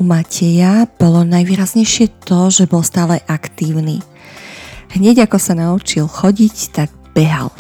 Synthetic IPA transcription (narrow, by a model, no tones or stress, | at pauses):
umacʰɛjab̥ɔlɔnajʋiːɾazɲɛjʃɪɛt̪ɔʒɛbɔlˠst̪aːlɛʔakt̪iːʊniː | ɦɲɛɟakɔsanaut͡ʃilxɔɟict̪aɡ | b̥ɛɦa̰l